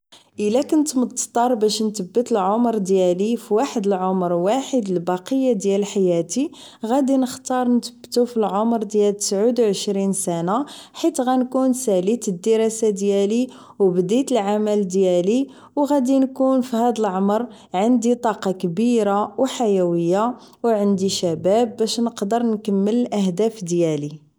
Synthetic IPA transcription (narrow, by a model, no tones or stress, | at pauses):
ʔəlækənt̪məd̪ˤt̪ˤːɑɾˤbæʃnt̪əbːət̪əlʕomɾˤd̪jælifiwaħəd̪əlʕomɾwaħəd̪əlbɑqəjːad̪jælħajæt̪i | ɣæd̪inəxt̪ɑɾˤnt̪əbːt̪ufilʕomɾd̪jælt̪ə̥sʕud̪wʕəʃɾinsænaħit̪ɣænkunsælit̪əd̪ːəɾɑsad̪jæli | wbd̪it̪əlʕamæld̪jæli | wɣæd̪inkunfihæd̪əlʕomɾ | ʕənd̪it̪ˤɑqɑkbiɾawħajæwəjːa | wʕənd̪iʃæbæbːæʃnəqd̪əɾˤnkəmːəllʔæhd̪æfd̪jæli